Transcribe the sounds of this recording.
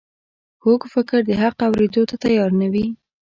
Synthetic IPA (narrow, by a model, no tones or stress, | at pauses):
hoɡfɪkɾd̪əɦaqawɾed̪ot̪at̪ajɑɾnawi